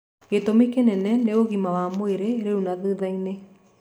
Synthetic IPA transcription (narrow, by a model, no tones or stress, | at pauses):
ɣetomikenɛnɛneoɣimawamoeɾeɾeunaðeðaine